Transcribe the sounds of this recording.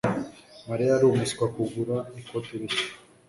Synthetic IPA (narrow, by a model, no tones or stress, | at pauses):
maɾiaɾumuskwakuɡuɾaikot̪iɾi